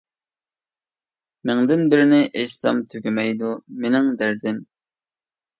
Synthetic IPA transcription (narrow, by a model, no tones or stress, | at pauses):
mɪŋd̪ɪnbɪɾɪnɪʔejsɑ̰mt̪ʰøɡʲymɛjd̪umenɪŋd̪æɾd̪ɪm